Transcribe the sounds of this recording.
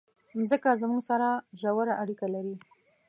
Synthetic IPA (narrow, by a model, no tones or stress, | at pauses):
mzəkazmuɡsaɾaʒawaɾaʔaɽikalaɾi